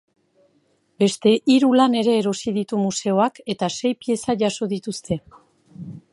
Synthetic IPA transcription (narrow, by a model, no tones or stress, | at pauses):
be̞st̪e̞ʔiɾulane̞ɾe̞ːɾo̞sið̞it̪umuse̞o̞ake̞t̪ase̞jpie̞saʝaso̞ðit̪ust̪e̞